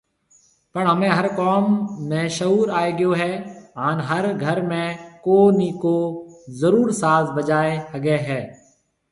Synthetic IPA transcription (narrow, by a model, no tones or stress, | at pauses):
pəɳɦəmẽːɦəɾkoːmːẽːʃəuːɾaːeːɡɪjoːɦɛːɦaːnɦəɾɡʱəɾmẽːkoːniːkoːzəɾuːɾsaːsbəd͡ʒaːeəɡeːɦɛː